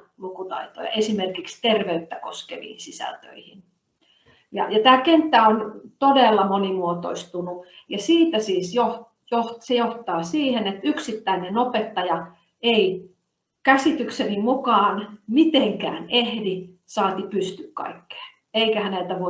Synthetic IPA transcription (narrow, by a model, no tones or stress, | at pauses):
lukut̪ɑ̰it̪o̰jɑ̰ʔesimerkikst̪erʋeyt̪ːæko̰skḛʋḭːnsisæ̰lt̪ø̰ihin | jɑ̰jɑt̪æːkent̪ːæont̪odelːɑmonimuot̪o̰ist̪unujɑsiːt̪æsiːsjoh | johsejoht̪ɑːsiːhenet̪yksit̪ːæinenopet̪ːɑjɑ | ei | kæsit̪yksenimukɑːnmit̪eŋkæ̰ːnehdi | sɑːt̪ipyst̪ykkɑ̰ikːe̥ː | eikæhænelt̪æʋo